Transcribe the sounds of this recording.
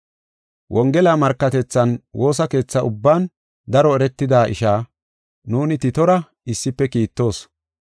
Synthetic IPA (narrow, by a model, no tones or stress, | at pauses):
wʔɔŋɡɛlaːmɐɾkːɐt̪ɛt͡sːɐnwo̞ːs̬ɐke̞ːt͡sːɐʔʊbːaːn | d̪ɐɾɔɛɾɛt̪ːɪd̪aːʔɪ̰ʃaː | nuːnɪt̪ɪt̪ɔɾɐ | ɪsːɪpːɛkiːt̪ːo̞ːs